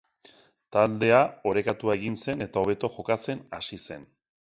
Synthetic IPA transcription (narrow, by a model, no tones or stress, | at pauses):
t̪ald̪e̞ao̞ɾe̞kat̪uae̞ɣinse̞ne̞t̪ao̞β̞e̞t̪o̞xo̞kat͡se̞na̰sise̞̰n